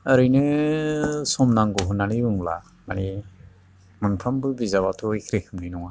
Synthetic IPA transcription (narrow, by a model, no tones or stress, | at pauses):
əɾɯjnɯ | sɔmnaŋɡɔɦɯnaliɯŋla̰ | mani | mɯnpʰambɯbizawatʰɔikʰɾekʰɯmninɔŋa